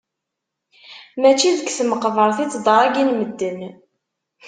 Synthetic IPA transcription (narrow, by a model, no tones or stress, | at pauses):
mæt͡ʃːiðəkːθməqvəɾˤθit͡sːd̪ˤɑɾˤæɡinməd̪ːən